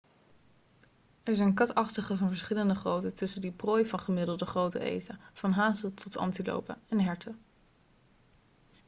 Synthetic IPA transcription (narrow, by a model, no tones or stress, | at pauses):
ɛɹzɛjnkɑtɑχtəχəvɑnvəɹsχɪləndəχrowtətɵsəndiproːjvɑnχəmɪdəlˠdəχrowtə̰ʔḛjtav̥ɑnɦaːsətʰɔtɑ̰ntilo̰wpə̰ɛnɦɛɹtʰə